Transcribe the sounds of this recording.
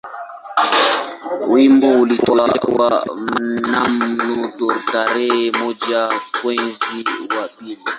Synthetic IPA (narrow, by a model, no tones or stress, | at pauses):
wimbɔulitɔlawa̰namnutɔtaɾɛmɔd͡ʒakwɛnziwaɓini